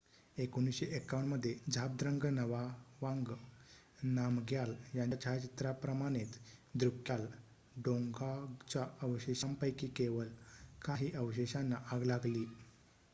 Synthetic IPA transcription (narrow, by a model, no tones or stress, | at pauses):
ekuñisɕeʔekːaʋəɳməd̪ʱːjed͡zʱap̚d̪ɾəŋɡnəʋaʋaŋɡ | namɡjaljant͡ɕat͡ɕit̪ɾapɾəmaɽ̃et̪d̪ɾukjal | ɖoŋɡat͡ɕaəʋɕeɕampəjkiːkeʋəlkaɦiːʔəʋɕeɕanːaʔaɡlaɡliː